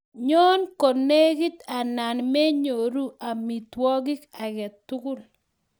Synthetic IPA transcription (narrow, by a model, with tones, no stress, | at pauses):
ɲo˦nko˨ne˦ɡi˦t̪a˨na˨nmɛ˦ɲo˨ɾu˦ʔa˨mi˨twɔ˦ɡɪ˦ka˨ɡɛ˨tʊ˦ɡʊ˦˨l